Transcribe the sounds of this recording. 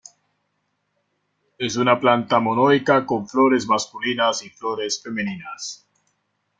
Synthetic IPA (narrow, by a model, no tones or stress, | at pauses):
e̞sunaplant̪amonojkako̞ɱflo̞ɾe̞zmaskulinasiflo̞ɾe̞sfe̞meninas